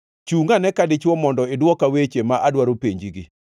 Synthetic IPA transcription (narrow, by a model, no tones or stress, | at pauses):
t͡ʃuŋanɛkadɪt͡ʃwɔmɔndɔɪdwɔkawet͡ʃemaʔadwaɾopeɲd͡ʒiɡi